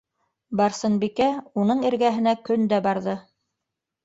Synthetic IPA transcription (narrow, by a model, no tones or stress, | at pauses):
bɑɾsɤ̆nbikæunɤɴiɾɡæɦɘ̆nækɵnd̪æbɑɾðɤ